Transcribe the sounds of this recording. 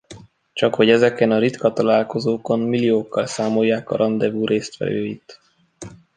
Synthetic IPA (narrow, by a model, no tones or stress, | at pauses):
t͡ʃɒkho̞ɟɛzɛkɛnɒɾit̪kɒt̪ɒlaːlko̞zoːko̞nmilːijoːkːɒlsaːmo̞jːaːkɒ̰ɾʔɒnd̪ɛvuːɾʔeːst̪fɛ̰løːit̪